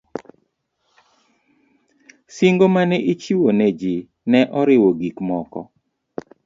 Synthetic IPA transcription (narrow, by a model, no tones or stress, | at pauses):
siŋɡomanɛʔit͡ʃiwonɛd͡ʒi | nɛʔɔɾɪwoɡikmɔkɔ̰